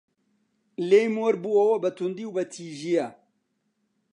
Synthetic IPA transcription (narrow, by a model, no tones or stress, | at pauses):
lejmoɾbuɐwɐbɐt̪ʰund̪iwbɐt̪ʰiʒijɐ